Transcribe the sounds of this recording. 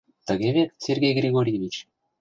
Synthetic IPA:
t̪ə̆ɡʲevʲet̪sʲerɡʲejɡrʲeɡoɾʲjevʲit͡ɕ

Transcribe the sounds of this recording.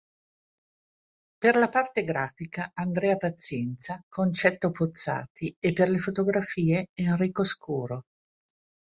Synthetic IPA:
perlapart̪eɡɾaːfikaand̪ɾɛːapat̪sːjɛnt̪sakont͡ʃɛt̪ːopot̪sːa̰ːt̪iepːerlefot̪oɡɾafiːeenriːkoskʰuːɾo

